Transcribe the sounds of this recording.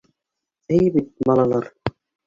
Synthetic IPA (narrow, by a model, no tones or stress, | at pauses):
ejbit̪̚mɑlˠɑlˠɑɾ